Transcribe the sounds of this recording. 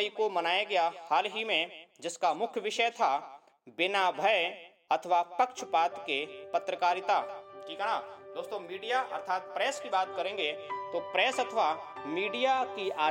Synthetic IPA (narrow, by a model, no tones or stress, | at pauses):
ikomɐnaːjaɡɐjahaːlɦimẽd͡ʒɪskamʊkʰjəʋɪʃəjt̪ʰa | bɪnaːbʱəj | ɐt̪ʰəʋapɐkʃəpaːt̪kepɐt̪ɾəkaːɾɪt̪aːʈʰiːkɐɽ̃aːd̪oːst̪õmiːɖijaʔɐ̰ɾt̪ʰaːt̪pɾɛːskibaːt̪kɐɾẽːŋ̆ɡet̪opɾɛːsɐt̪ʰəʋamiːɖijakiaː